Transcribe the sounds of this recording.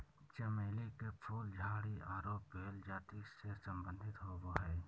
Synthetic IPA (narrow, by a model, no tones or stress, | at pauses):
t͡ʃəmeːlekepʰuːld͡ʒʱaːɽiaːɾoːpːeːld͡ʒaːt̪isesə̃mbə̃nd̪ʱɪt̪ɦoʋoɦɛː